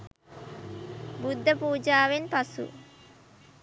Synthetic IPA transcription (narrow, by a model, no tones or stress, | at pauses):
bud̪ːəpuːd͡ʒaːʋenpasṵ